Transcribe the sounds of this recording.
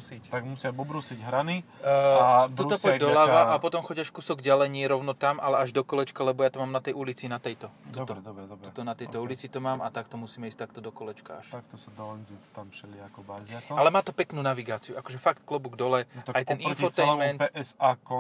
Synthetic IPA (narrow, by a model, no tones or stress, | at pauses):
sit̪aɡmusɪabɔbɾusiɟɦɾaniat̪uasɔd̪ɔlaʋaʔapɔt̪ɔmxɔɟaʃfkusɔɡɟalɛjɲɪɛɾɔʊnɔt̪amʔalɛaʒd̪ɔkɔlɛt͡ʃkalɛbɔjat̪ɔmaːmnat̪ɛjulit͡sinat̪ɛjt̪ɔt̪ut̪ɔd̪ɔbɾɛd̪ut̪ɔnat̪ɛjt̪ɔulit͡sit̪ɔmaːmat̪akt̪ɔmusiːmɛiːst̪ak̚t̪ɔd̪ɔkɔlɛt͡ʃka̰a̰ʃakt̪ɔsad̪ɔlɛnzit̪t̪ampʃɛlɪaakɔbazakalɛmaːt̪ɔpɛknuːnaʋiɡaːt͡siuakɔʒɛfakt̪klɔbuɡd̪ɔlɛajt̪ɛnʔinfɔɛjlmɛntɛʔɛsakɔ